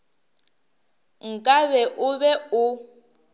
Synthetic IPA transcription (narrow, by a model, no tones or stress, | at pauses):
ŋ̩kʼaβɛʔʊbɛʊ